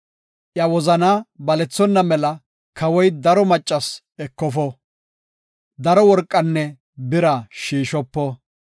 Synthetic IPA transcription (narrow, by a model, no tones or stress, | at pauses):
ʔjɐwɔzɐnaːbɐlɛt͡sːɔnːɐmɛlɐ | kʰɐwɔjd̪ɐɾɔmɐt͡ʃʼːɐs | ɛkːɔfɔ | d̪ɐɾɔwɔɾkʼːɐnːɛ | bɪɾɐʃiːʃɔpːɔ